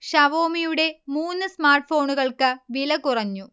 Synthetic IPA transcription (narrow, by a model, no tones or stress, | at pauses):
ɕɐʋo̞ːmijuɽe̞muːnːɨsmaːrʈɨfo̞ːɳuɣɐɭkɨʋilɐkurɐɲːu